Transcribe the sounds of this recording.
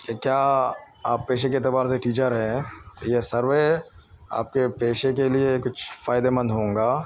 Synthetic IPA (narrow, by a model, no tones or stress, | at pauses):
kekjaː | aːpːeːʃekeɪt̪ɪbaːɾseʈiːt͡ʃəɾɦɛɛ̃t̪ojesɐɾʋe | a̰ːp̚kepeːʃekeliekʊt͡ʃʰfaːɪd̪emɐ̃nd̪ɦõːŋɡaː